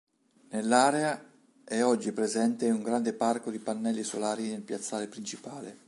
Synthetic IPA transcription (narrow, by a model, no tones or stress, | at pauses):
nelːaːɾea | ɛɔd͡ʒːipɾezɛnt̪euŋɡɾand̪eparkod̪ipanːɛlːisolaːɾinelpjat̪sːaːɾepɾint͡ʃipaːle